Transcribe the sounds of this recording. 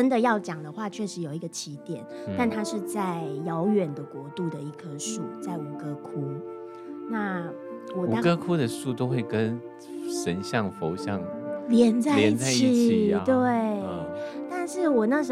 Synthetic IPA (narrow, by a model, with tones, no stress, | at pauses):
ə˥nd̪ə˨jɑ˥˩ʊt͡ɕjɑ˨˩ŋd̪ə˦xwa˥˧t͡ɕʰɥɛ˥˩ʂɻ̩˧˥jo˨ʊi˧˥ɡə˧t͡ɕʰi˧˥t̪jɛ˨˩˦nt̪a˥˩nt̪ʰa˥ʂɻ̩˥˧t͡sa˥˩ɪjɑ˧˥ʊɥɛ˨˩nd̪ə˩kwɔ˧˥t̪u˥˩d̪ə˩i˧˩kʰə˥ʂu˥˩t͡sa˥˩ɪu˨˩kɤ˥kʰu˥ | na˥˩ | wɔ˨˩˨t̪ɑ˥kɤ˦˥kʰu˥d̪ə˨ʂu˥˩t̪o˥ʊxwe˥˩ɪkə˦n | ʂə˧˥nɕjɑ˥˩ŋfo˧˥ʊɕjɑ˥˩ŋljɛ˧˥nt͡sa˥˧jɛ˧˦i˥n˩t͡sa˥t͡ɕɪi˥i˨i˨˩t̪we˥˩ɪ | t̪a˥˧nʂɻ̩˥˩wɔ˨˩na˥˩ʂə˧